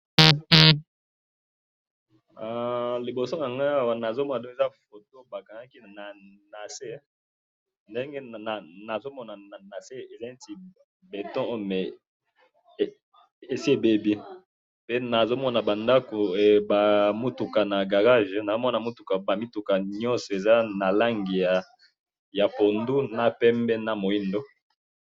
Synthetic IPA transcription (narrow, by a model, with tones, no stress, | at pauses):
a˦˨li˨bo˨so˦na˨ŋɡa˦a˦˨wa˨na˨zo˦mɔ˦na˨do˦e˨za˦fo˨to˦ba˨ka˨ŋa˦ki˦˨na˨na˨se˦ | nde˦ŋɡe˦˨na˨na˨zo˦mɔ˦na˨na˨na˨se˦e˨za˦i˦ti˨ | be˨tɔ̃˦o˦˨mɛ˨ | e˨si˦e˦˨be˦bi˦ | pe˦na˨zo˦mɔ˦na˨ba˨nda˦ko˨ba˨mo˦tu˨ka˨na˨ɡa˨ʁa˦ʒɛ˦na˨zo˦mɔ˦na˨mo˦tu˨ka˨ba˨mi˦tu˨ka˨ɲɔ̃˦nsɔ˨e˨za˦na˨la˦ŋɡi˨ja˨ | ja˨po˨ndu˦na˨pɛ˦mbɛ˦na˨mo˨i˦ndo˦